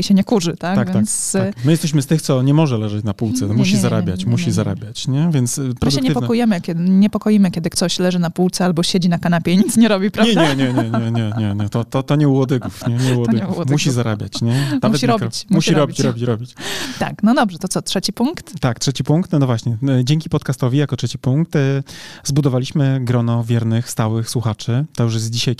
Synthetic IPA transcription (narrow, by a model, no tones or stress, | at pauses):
iɕɛɲɛkuʐɘt̪aɡ̪avvj̪ant̪ssmɘjɛst̪ɛɕ̬mɘst̪ɘxt̪sɔɲɛmɔʐɛlɛʐɛt͡ɕnapuwt̪sɛmuɕizaɾabʲjat͡ɕmuɕizaɾa̰bʲjat͡ɕɲɛvʲjɛnt̪spɾɔd̪ɛkɲɛpɔkɔjɛmɘkʲɛd̪ɲɛpɔkɔjimɘkʲjɛd̪ɘkt̪ɔɕlɛʐɘnapuwt̪sɛalbɔɕed͡ʑinakanapʲjɛɲit̪sɲɛɾɔbʲipɾaɲɛɲdɛɲɛɲɛɲɛɲɛɲɛɲɛt̪ɔt̪ɔt̪ɔɲɛuwɔd̪ɘɡufɲɛɲɛuwɔd̪umuɕizaɾa̰bʲja̰t͡ɕɲɛnamuvɛɕiɾɔbkit͡ɕmuɕiɾɔbʲit͡ɕɾɔbʲit͡ɕɾɔbʲit͡ɕt̪a̰knɔd̪ɔbʐɛt̪ɔt̪ɔtʂɛt͡ɕipuŋkt̪t̪ːaktʂɛt͡ɕipuŋkt̪nnɔvwaɕɲɛd͡ʑɛŋʲkʲipɔt̪kast̪ɔvʲijakɔtʂɛt͡ɕipuŋk̚t̪zbud̪ɔvalʲiɕmɘɡɾɔnɔvʲjɛɾnɘxst̪awɘxswuxat͡ʂɘt̪ɔjuʂ̬jɛzd͡ʑiɕaj